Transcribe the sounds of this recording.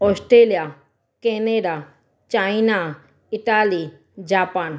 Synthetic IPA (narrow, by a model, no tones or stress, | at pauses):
ɔsʈɾelija | keneɖa | t͡ʃaina | ɪʈaːli | d͡ʒaːpaːn